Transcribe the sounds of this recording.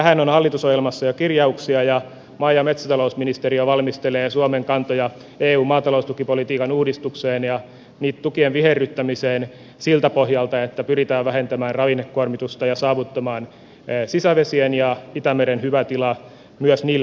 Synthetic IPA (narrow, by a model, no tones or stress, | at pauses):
t̪æhænonhɑlːit̪usojelmɑsːɑjokirjɑuksiɑjɑ | mɑijɑmet̪sæt̪ɑlousminist̪eɾioʋɑlmist̪eleːsuomeŋkɑnt̪ojɑ | eːuːmmɑːt̪ɑloust̪ukipolit̪iːkɑnuːdist̪ukseːnjɑ | niːt̪t̪ukienʋiherːyt̪ːæmiseːn | silt̪æpohjɑlt̪ɑet̪ːæpyɾit̪æːʋʋæɦent̪æmæːrrɑʋinekːuormit̪ust̪ɑjɑsɑːʋut̪ːɑmɑːnː | sisæʋesienjɑit̪æmeɾenhyʋæt̪ilɑ | myøsniːl